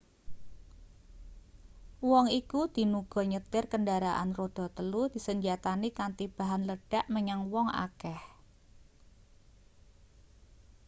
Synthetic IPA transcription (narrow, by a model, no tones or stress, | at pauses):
wɔŋikud̪̥i̤nuɡ̥ɔ̤ɲət̪ɪrkəndaɾaʔa̰nrod̪̥ɔ̤t̪əlud̪̥i̤səɲd͡ʒat̪anikant̪ib̥a̤ɦanləɖ̥aʔməɲaŋwɔŋa̰kɛh